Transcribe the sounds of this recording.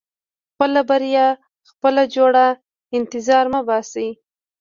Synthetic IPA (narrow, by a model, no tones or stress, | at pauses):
xpəlabaɾijɑ | xpəlad͡ʒoɽa | ɪnt̪ɪzɑɾmabɑsai